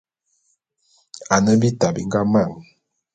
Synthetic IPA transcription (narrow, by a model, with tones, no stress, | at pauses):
a˨nə˦bi˦ta˨bi˨ŋɡa˦ma˦˨ŋ˨